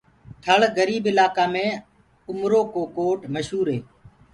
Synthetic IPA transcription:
t̪ʰəɭɡəɾiːbɪlaːkaːmẽː | ʊmɾoːkoːkoːʈməʃɦuːɾɦeː

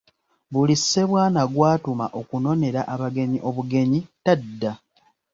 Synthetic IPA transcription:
βulisːe̞βwaːnaɡwaːtuma̰ʔo̞kuno̞ne̞ɾaʔaβaɡe̞ɲiʔo̞βuɡe̞ɲitadːa

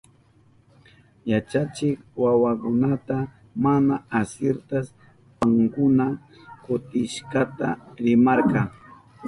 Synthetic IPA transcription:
jat͡ʃat͡ʃɪkwawakʊnat̪a | manaasjeɾt̪as | paŋkʊna | kʊt̪ɪʃkɑt̪a̰ɾɪmaɑɾqɑŋ

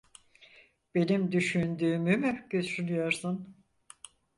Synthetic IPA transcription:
b̥e̞nimd̪yʃynd̪yːmymyɟøt̪ynyjoɾsun

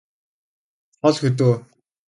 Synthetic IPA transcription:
χɔɮxɵt̪̬oː

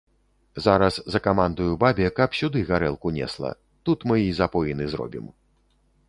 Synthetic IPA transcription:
zaɾɐszɐkamand̪ujubabʲɛkɐpsʲud̪ɨɣaɾɛlˠkunʲɛ̰slˠɐ̰ | t̪ut̪mɨizapɔjinɨzɾɔ̰bʲḭm

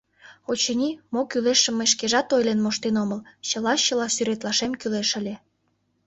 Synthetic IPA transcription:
ot͡ɕenʲimokyleʃə̆mːeʃkeʒɑt̪ojlenmoʃt̪enoməlt͡ɕəlɑɕəlɑsyɾet̪lɑʃemkyleʃə̆lʲe

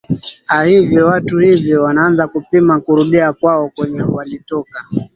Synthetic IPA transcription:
ahivjɔwatuhivjɔwanaanzakupimakuɾuɗiakwaɔkwɛɲɛwalitɔka

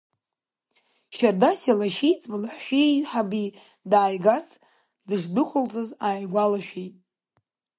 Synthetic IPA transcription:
ʃardasalaʃijt͡sʼbɨlaħʃʷᶣiħabi | daːjɡart͡sʰ | dɨʐdɨkʷʰʊlt͡sʼɨzaːjɡʷalaʃᶣejtʼ

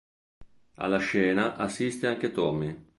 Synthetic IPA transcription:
a̰lːaʃɛːnaʔasːist̪eaŋk̟et̪ɔmi

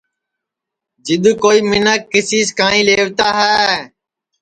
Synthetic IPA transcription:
d͡ʒɪɗ̪koːiːmɪnəkːɪsiːskãːĩːleːʋt̪aːɦɛː

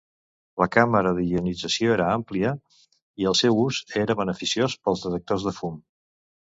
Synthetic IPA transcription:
ləkaməɾəðiɣiunid͡zəsioeɾəampliə | iəlˠsewuzeɾəβənəfisiospəlˠzðət̪ək̚t̪ozðəfum

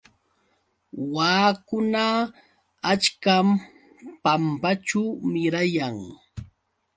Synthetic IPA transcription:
waːkʊna | at͡ʃkam | pampat͡ʃʊmɪɾajaŋ

